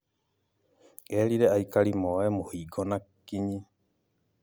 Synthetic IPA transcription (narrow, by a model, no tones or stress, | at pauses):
eɾiɾeaikalimowemohiːɡonakiɲi